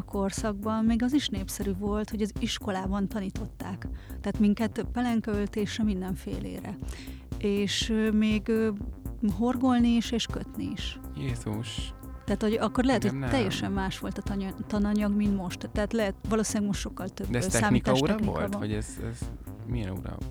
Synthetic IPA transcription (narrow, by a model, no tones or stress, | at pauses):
ɒko̞rsɒɡ̚bɒmmeːɡɒziʃneːpsɛɾyvo̞lt̪ho̞ɟɒziʃko̞laːbɒnt̪ɒniːt̪o̞t̪ːaːkt̪ɛɦaːt̪miŋkɛt̪pɛlɛŋkølt̪eːʃrɛmind̪ɛɱfḛːlḛːɾɛ | eːʃømeːɡø | ɦo̞rɡo̞lniːʃeːʃkøt̪nḭiʃjeːzuʃ | t̪ɛːt̪ho̞ɟɒkːo̞rlɛɦɛt̪hot̪ɛjːɛʃɛmːaːʃʋo̞lt̪ɒt̪t̪ɒnɒɲɒɡmint̪mo̞ʃt̪ːɛːt̪lɛɦɛt̪ʋɒloːsinlɛɡmoʃt̪ʃo̞kːɒlt̪øbd̪ɛsɛaːmnit̪ːʃɾɛniolaːb̪o̰ɟɛzɛ̰zmiɛ̰nṵɾɔ̰